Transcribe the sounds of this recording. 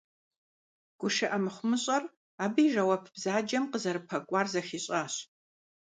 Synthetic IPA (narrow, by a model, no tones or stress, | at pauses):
ɡ̥ʷʊʂɨʔɐmɨχʷʊmɨɕʼɐr | aːbɨiʒɐwɐpʰbzaːd͡ʒɐmqəzɐɾɨpʰɐkʷʼɑːrzɐxiːɕʼaːɕ